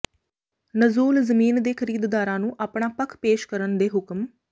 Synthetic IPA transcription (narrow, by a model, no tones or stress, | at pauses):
nəzuːlzəmiːnd̪eːkʰəɾiːd̪d̪aːɾãːnũːʔaːpɳaːpəkʰpeːʃkəɾənd̪eːɦʊkm